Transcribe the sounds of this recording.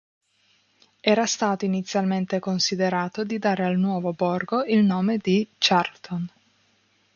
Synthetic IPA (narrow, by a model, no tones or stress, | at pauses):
ɛːɾast̪aːt̪oinit̪sːjalment̪ekonsid̪eɾaːt̪od̪id̪aːɾealnwɔːvobɔrɡoilnoːmed̪it͡ʃart̪on